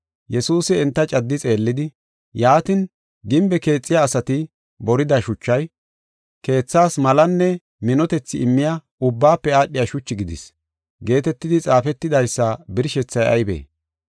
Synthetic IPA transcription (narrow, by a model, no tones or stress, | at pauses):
jɛsuːsɪːnt̪ːɐt͡ʃʼɐd̪ːɪt͡sʼe̞ːlːɪd̪ɪ | jaːt̪ɪn | ɡɪmbɛke̞ːt͡sʼːɪjaːsɐt̪ɪ | bɔɾɪd̪ɐʃʊt͡ʃːɐj | ke̞ːt͡sːaːsmɐlɐnːɛ | mɪnɔt̪ɛt͡sːɪɪmːɪja | ʊbːaːpːɛaːɗːɪjaʃʊt͡ʃːɪɡɪd̪ɪs | ɡe̞ːt̪ɛt̪ːɪd̪ɪt͡sʼaːfɛt̪ːɪd̪ɐjsːɐbɪɾʃɛt͡sːɐjɐ̰jbḛː